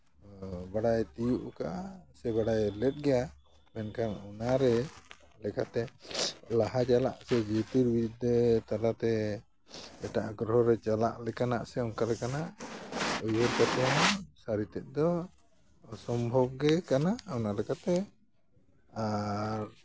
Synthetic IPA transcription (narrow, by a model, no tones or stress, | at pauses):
baɽajt̪ijuʔkaʔasɛbaɽajlɛt̪̚ˀɡɛja | mɛnkanɔnaɾɛ | lɛkat̪ɛlaɦad͡ʒala̰ʔsɛd͡ʒit̪iɾbiut̪̚d̪ɛt̪aɾat̪ɛ | ɛʈaʔɡɾɔɦɔɾɛt͡ʃala̰ʔlɛkanaʔsɛɔŋkaɾɛkanaʔ | ujwɔɾkat̪ɔasaɾit̪ɛʔ̪̚ˀd̪ɔ | sɔmbʱɔb̚ɡɛkanaʔɔnalɛkat̪ɛ | aɾ